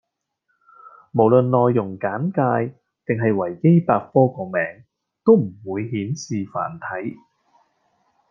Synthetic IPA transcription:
mo˨˩wlɵ˨nlɔː˨˧jːʊ˨˩ŋkaː˨˥nkaː˧j | t̪ɪ˨ŋɦɐ˨jwɐ˨˩jke˥jpaː˧k̚fɔː˥kɔː˧mɛː˨˩ŋ | t̪o˥wm̩˨˩wuː˨˧jhiː˨˥nsiː˨fa̰ː˨˩nt̪ʰɐ˨˥j

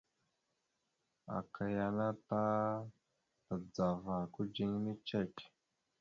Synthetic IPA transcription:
a̰˨kʰa˨ja˨na˦ta˦ | ta˨d͡za˨va˨ku˦d͡ʒi˦ŋni˦t͡ʃe˦˨k

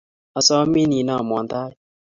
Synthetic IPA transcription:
ɔ˧sɔ˦mi˦ni˨na˦˨mwɔ˨nd̪a˦i˦

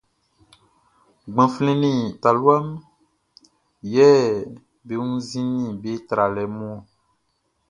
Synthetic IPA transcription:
ɡ͡bã˨flẽ˨nĩ˦˨t̪a˨lwa˦m | jɛ˦ | be˨ŋũ˦zĩ˦nĩ˦be˦t̪ɾa˨lɛ˨˦mɔ̃˦˨

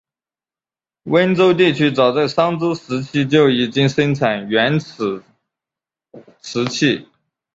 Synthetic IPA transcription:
wə˥nt͡so˥ʊt̪i˥˩t͡ɕʰy˥t͡sɑ˨˩ʊt͡sa˥˩ɪʂɑ˥ŋt͡so˥ʊʂɻ̩˧˥t͡ɕʰi˥t͡ɕjo˥˩ʊi˨˩t͡ɕi˥ŋʂə˥ŋʈ͡ʂʰa˨˩nɥɛ˧˥n̩ʰ˨˩ | ʈ͡ʂʰɻ̩˧˥t͡ɕʰi˥˩

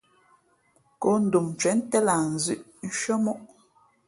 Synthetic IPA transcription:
ko˦n̩˨du˨m˨t͡ʃɛ˨˦n̩˦tɛ˦la˨n̩˨zʉ˦˨ʔn̩˦ʃɔ˦mɔ˦ʔ

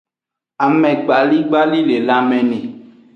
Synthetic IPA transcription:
a˨mɛ̃˨ɡ͡ba˨li˦ɡ͡ba˦li˦le˨la˦mɛ̃˨nɛ̃˨

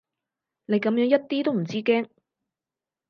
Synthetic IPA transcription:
ne˨˧jkɐ˨˥mjœː˧˥ŋjɐ˥t̚t̪iː˥t̪o˥wm̩˨˩t͡siː˥kɛː˥ŋ

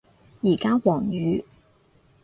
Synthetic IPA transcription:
jiː˨˩kaː˥wɔː˨˩ŋjyː˨˧˦

